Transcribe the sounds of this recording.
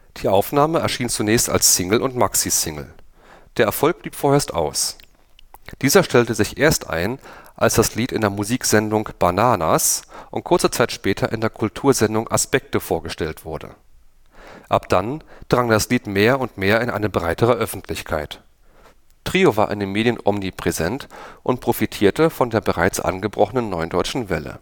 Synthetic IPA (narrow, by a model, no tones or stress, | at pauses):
d̥iːʔaʊfnaːməɛɐʃiːnt͡sunɛːçsta̰lssɪŋl̩ʔʊntmaksisɪŋl̩ | d̥eːɐɛɐfɔlk̚b̥liːpfoːɐeːɐstʔa̰ʊs | d̥iːzɐʃtɛltəzɪçʔeːɐstʔa̰ɪnʔalsd̥asliːtɪndeːɐmuziːkz̥ɛndʊŋb̥anaːnasʔʊ̰nt̚kʰʊɐt͡sət͡saɪtʃpɛːtʰɐʔɪ̰ndeːɐkʰʊltʰuːɐzɛndʊŋʔa̰spɛk̚təfoːɐɡəʃtɛltv̥ʊɐdə̰ | ʔapd̥and̥ʁaŋdasliːtmeːɐʊntmeːɐɪnʔa̰ɪnəbʁaɪtəʁ̞əʔœfn̩tʰlɪçkʰa̰ɪt | tʁ̥iːovaːɐʔɪ̰ndemeːdjənʔɔmnipʁ̥ɛzɛntʔʊntpʁ̥ofitʰiːɐtəfɔndeːɐbəʁaɪt͡sʔa̰nɡəbʁɔχənənːɔʏndɔʏt͡ʃn̩vɛlə̰